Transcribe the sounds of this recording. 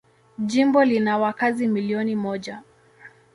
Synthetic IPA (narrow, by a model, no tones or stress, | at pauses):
ʄimbɔlinawakazimiliɔnimɔʄa